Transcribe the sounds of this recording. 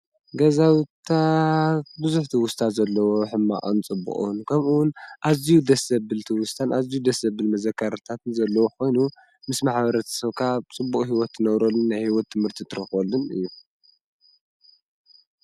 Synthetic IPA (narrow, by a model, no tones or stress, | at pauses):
ɡɐzawt̪ʰa | bɨzuħt̪ʰɨwʊst̪ʰat̪zɐlːɐwo̞ħɨmːa̰ʔʼɨnt͡sʼɨbːṵχʼṵnkʰɐmuwʊnʔazijud̪ɐsɐbɨlt̪ʰɨwʊst̪ʰanʔazijud̪ɐsɐbɨlmɐzɐkʰːaɾt̪ʰat̪ɨnzɐlːɐwokʰo̞jnu | mɨsmaħbɐɾɐt̪ʰɐ̥sɐβkʰat͡sʼɨbːuχʼɦiwɔt̪ːɨnɐβɾolːɨnːajhiwɔt̪ʰːɨmhɨɾt̪ʰit̪ʰɨɾɨxolːɨnɨ̰jːu